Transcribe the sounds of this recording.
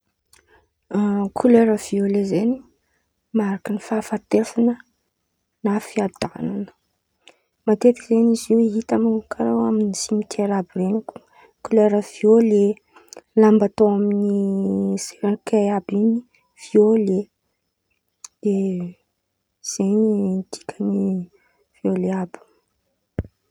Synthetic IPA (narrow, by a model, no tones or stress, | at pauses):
kʰuleɾəv̥iolezeni̥ | maɾakənifaːfat̪efanə | nafiad̪ananə̥ | mat̪et̪ikizeniziwiɦit̪amikʰaɾawaminisimit̪ʰeɾabireniku̥ | kuleɾəviole | lambat̪oaminizeɾakʰejabini | v̥iole | d̪̥e | z̥enid̪̥i̥kʰʲəni | v̥ioleabi̥